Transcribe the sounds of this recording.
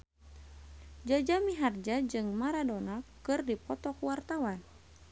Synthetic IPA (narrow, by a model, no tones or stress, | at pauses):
d͡ʒad͡ʒamiɦard͡ʒad͡ʒɨŋmaɾadonakɨrdipɔt̪ɔkuwart̪awan